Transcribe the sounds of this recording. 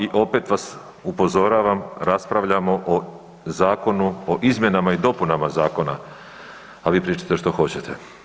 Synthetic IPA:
iʔo̞pe̞t̪ʋas | upo̞zo̞ɾaːʋamɾaspɾaʋʎamo̞ʔo | zaːko̞nuoʔizmje̞namaid̪o̞punamazaːko̞na̰ | aʋiːpɾiːt͡ʃḁt̪e̞ʃt̪o̞xo̞t͡ɕet̪ʰḛ

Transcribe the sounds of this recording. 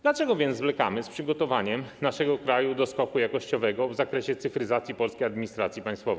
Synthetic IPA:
d̪lat͡ʂɛɡɔvʲjɛnzvlɛka̰mɘspʂɘɡɔt̪ɔvaɲɛmnaʂɛɡɔkɾajud̪ɔskɔkujakɔɕt͡ɕɔvɛɡɔvzakɾɛɕɛt̪sɘfɾɘzat̪sʲjipɔlskʲejad̪mʲiɲist̪ɾat̪sʲjipãj̃st̪fɔvɛ

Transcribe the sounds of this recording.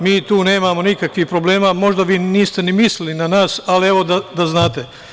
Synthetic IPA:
miːt̪uːne̞ːmamo̞nikakʋihpɾo̞ble̞ːmamo̞ʒd̪aʋiːniːst̪e̞nimislilinanaːsalieʋo̞d̪ad̪aznaːt̪e̞

